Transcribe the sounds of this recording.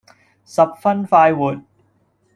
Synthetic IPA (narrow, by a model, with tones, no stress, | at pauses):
sɐ˨p̚fɐ˥nfaː˧jwuː˨t̚